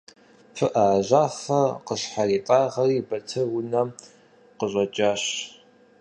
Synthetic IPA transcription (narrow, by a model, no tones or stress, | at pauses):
fɨʔaʑaːfɐqəɕħariːtʼaːʁɐriːbɐtʰɐwʊnɐ | qəʑʷʼɐt͡ʃʼaːɕ